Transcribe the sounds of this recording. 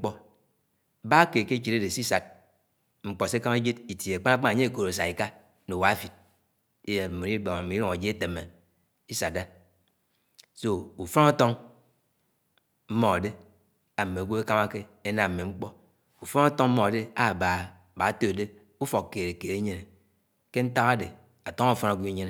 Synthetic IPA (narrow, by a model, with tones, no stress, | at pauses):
k͡pɔ˦˨ | ba˦ke˨ke˦t͡ʃi˨ɾe˦de˨si˦sa˨t̚ | ŋ͡m̩˨k͡po˨se˦ka˦me˦d͡ʒi˦ti˨tje˨k͡pa˦na˦k͡pa˦na˨ɲe˦˨ko˨ɾo˨sa˨i˨ka˦ | no˨wa˨˦fi˨t̚ | i˦je˨mo˨ɾi˦bo˨ŋa˨mi˨i˦ɾo˨a˨d͡ʒi˦e˦te˨me˨ | i˦sa˨da˦ | so˦u˨fo˦na˦to˦ŋ | m̩˦mo˦a˨de˦ | a˨me˨ɡʷu˦e˦ka˦ma˦ke˦ | e˦na˨m̩˨mːe˨ŋ͡m̩˦k͡pɔ˦ | u˨fo˦na˦tɔ˦ŋm̩˦mo˦˨a˨de˦a˦˨ba˨ | ba˨˦to˦˨de˦ | u˦fo˨kkːeː˨ɾe˨ke˨ɾe˦ɲe˦ne˨ | ke˦n̩˦ta˦ɣa˦de˨ | a˨to˦ŋa˦u˨fo˦na˨ɡʷu˦e˦ɲe˦ne˨